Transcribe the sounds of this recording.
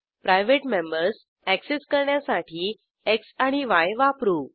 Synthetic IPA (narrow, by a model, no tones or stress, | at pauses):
pɾajʋeʈmẽmbəɾs | ækseskəɾɳjasaʈʰiː | eksaɽ̃iʋajʋapɾu